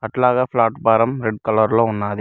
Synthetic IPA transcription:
kɐʈlaːɣɐflaːʈpaːɾɐmɾɛɖ̚kɐlɐɾlõʊnːaːðɯ

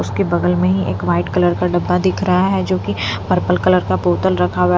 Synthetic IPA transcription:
ʊskebɐɡəlmẽɦiʔeːkʋaːɪʈkɐləɾkaɖɐbːad̪ɪkʰɾɐɦaɦɛd͡ʒoːkipɐɾpəlkɐləɾkapoːt̪əlɾɐkʰaɦʊa

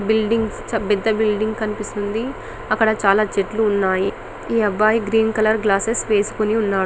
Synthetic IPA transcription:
bilɖiŋɡst͡ʃɐbɛd̪ːɐbilɖiŋɡkɐnipist̪und̪i | ɐkːɐɽɐt͡ʃaːlaːt͡ʃeʈluːnːaːji | iːɐbːaːjiɡɾiːnkɐlɐɾɡlaːsesʋe̞ːsu̥koniunːaːɽ

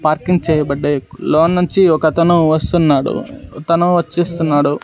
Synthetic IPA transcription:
paːɾkiŋɡt͡ʃɛːjɐbɐɖːeloːnːuɲt͡ʃiɔkɐt̪ɐnuʋɐst̪unːaːɽṵt̪ɐnuʋɐt͡ʃːeːst̪unːaːɽu

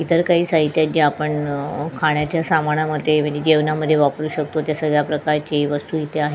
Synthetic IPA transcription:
it̪əɾkaɦiːsaɦit̪jad͡ʑeapəɳkʰaɳ̃jat͡ɕjasamaɽ̃aməd̪ʱjem̤ə̃ɳd͡zed͡ʑeʋnaməd̪ʱjeʋapəɾuːɕək̚t̪ot̪jasəɡɭjapɾəkaɾt͡ɕeʋəst̪uit̪ʰeaɦe

